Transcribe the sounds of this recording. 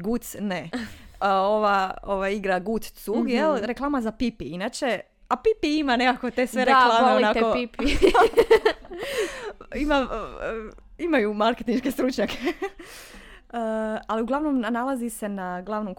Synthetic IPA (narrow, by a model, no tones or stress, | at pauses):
ɡut̪sne | oʋaoʋajiɡɾaɡut̪st̪suɡjelɾeklˠaːmazapipiinaːt͡ʃe̞ | apipiimane̞kako̞t̪esʋeɾeklameolinakoipi | ima | imajumaɾket̪inʃkest̪ɾut͡ʃɲakʰe | əaliuɡlˠaʋnomnanalazise̞naɡlˠaʋnom